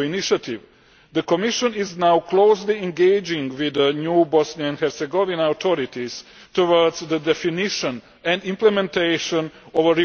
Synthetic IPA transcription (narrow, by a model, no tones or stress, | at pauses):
iniʃat̪iʋ | d̪əkomiʃõniznawkloːsliɛ̃nɡeɪd͡ʒĩŋɡʋid̪ənjuːbɔsniaɛ̃nhɛɾsɛɡoʋinaawt̪ʰoɾit̪iz̥ | t̪oʋəɾdzd̪əd̪ɛfiniʃə̃n | ɛ̃nd̪ĩmplɛmɛ̃nt̪ejʃõnoʋəɾi